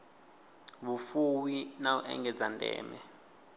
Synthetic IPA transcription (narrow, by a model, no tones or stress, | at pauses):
βufuwinauʔɛ̰ŋɡɛd͡zandʱʼɛ̰ːmɛ